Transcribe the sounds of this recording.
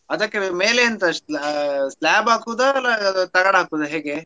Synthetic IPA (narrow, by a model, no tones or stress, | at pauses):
ɐd̪ɐkːemeːleɐnt̪ɐ | slaːbaːkuːd̪ɐlːɐt̪ɐɡaɽɦaːkuːd̪ɐɦeːɡe